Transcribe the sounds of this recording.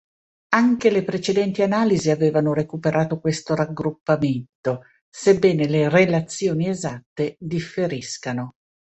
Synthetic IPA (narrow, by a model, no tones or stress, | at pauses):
aŋkelepɾet͡ʃed̪ɛnt̪ianaːliziaveːvanoɾekupeɾʔaːt̪okwest̪oɾaɡɾupːament̪o | sebːɛːnelerelat̪sːjoːniezat̪ːed̪ifːeɾiskano